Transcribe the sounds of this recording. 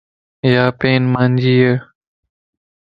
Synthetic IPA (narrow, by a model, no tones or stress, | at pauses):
jaːpeːnmãːnd͡ʑiːeː